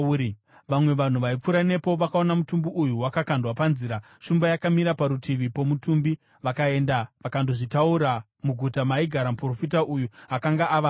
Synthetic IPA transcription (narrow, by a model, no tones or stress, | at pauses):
ʋamwe̞ʋan̤uʋaip͡fuɾane̞po̞ʋakao̞namutumbiʔujuwakakandwapanziːɾa | ʃumbajakamiɾapaɾutʰiʋipo̞mutumbi | ʋakae̞ndaʋakandoʐitauɾa | muɡʱutamaiɡʱaɾamupro̞fitaʔujuakaŋɡaʔaʋa